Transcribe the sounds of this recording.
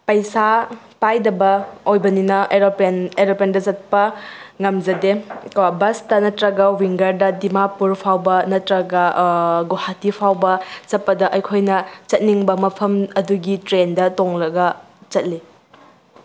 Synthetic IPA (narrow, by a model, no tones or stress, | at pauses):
pɐjsa | pajdɐbɐojbɐninɐʔeɾopeneɾopendɐzɐt̚pɐŋɐmd͡ʒɐdekbɐstɐnɐtɾɐɡɐwiŋɡɐɾdɐdimapuɾpʰawbɐnɐtɾɐɡɐɡohatipʰawbɐt͡ʃɐt̚pːɐdɐʔɐjkʰojnɐt͡ʃɐt̚niŋbɐmɐpʰɐmɐduɡitɾendɐtoŋlɐɡɐ | t͡ʃɐt̚li